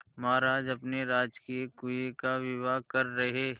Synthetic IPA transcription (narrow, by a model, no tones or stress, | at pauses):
maːɾaːd͡ʒɐpneɾaːd͡ʒkiekujekaʋɪʋaːkɐɾːɐɦeː